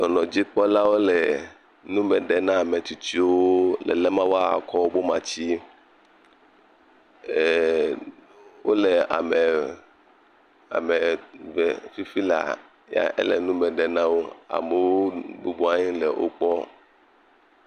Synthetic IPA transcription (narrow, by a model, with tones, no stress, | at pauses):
nɔ˨nɔ̃˨d͡ʑi˦k͡pɔ˦la˦wo˦lɛ˨ | nũ˦mɛ̃˨ɖɛ˨nã˦a˨mɛ̃˨t̪u˨t͡ɕi˦woo˦lɛ̰˨lɛ˦mã˦wo˦a˦˨kʰɔ˦o˦bo˦mã̰˨t͡ɕi˦˨ | wo˦lɛ˨a̰˨mɛ˨ | a̰˨me˨vɛ˨fi˦fi˦la̰˨ | ja̰˦ʔɛ̰˦lɛ̰˨nũ˦mɛ̃˨ɖɛ˨nã˦wo˦a̰˨me˨wo˦bu˦bu˦a˦ɲĩ˦lɛ˨wʔo̰˦k͡pɔ˦